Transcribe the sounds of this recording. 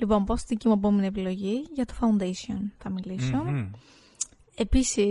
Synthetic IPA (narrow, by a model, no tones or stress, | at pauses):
lipo̞mpost̪iðicimuep̬o̞menie̞pilo̞ʝiʝɐt̪ofɐund̪esio̞̰nθɐmilision | e̞pisi